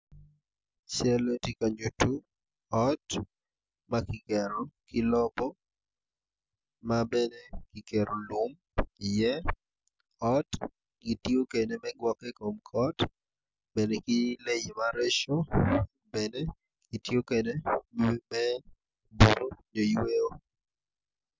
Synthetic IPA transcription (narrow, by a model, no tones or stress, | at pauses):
ʃɛlɛtikaɲutu | ɔt | makikɛɾɔkɪlɔbɔ | mabɛnekikeɾolum | ijɛ | ɔt | kitiokenemɛɡwɔkekomkʰɔt | bɛnekilejimaɾɛʃo | bɛne | kitjokede | mɛ | buɾoɲojweo